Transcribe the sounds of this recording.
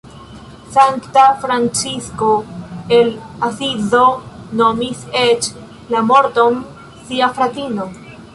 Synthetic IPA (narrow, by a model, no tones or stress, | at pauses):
saŋktafɾant͡ʃisko̞e̞lasizonomiset͡ʃ | lamo̞ɾto̞n | siafɾatino̞